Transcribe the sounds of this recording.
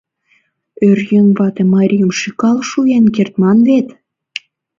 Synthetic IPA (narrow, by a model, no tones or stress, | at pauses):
ørjøŋβɑt̪emɑɾʲijəmʃikɑlʃujenkert̪mɑnβet̪